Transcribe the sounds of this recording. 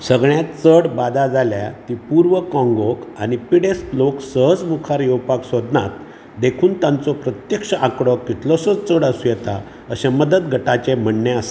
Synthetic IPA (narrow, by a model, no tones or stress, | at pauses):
səɡɳjat͡səɽbad̪ad͡zalja̰t̪iːpuɾʋəkɔ̃ŋɡɔkañipiɽestloksəɦəd͡zmukʰaɾjɛwpaksod̪na̰t̪ | d̪ekʰuːnt̪ãnt͡sɔpɾət̪jəkʂəʔãkɽɔkːit̪ʰlɔsət͡st͡səɽasujɛt̪a̰ | əɕẽməd̪əd̪ɡʱəʈat͡ɕem̤əɳːeəse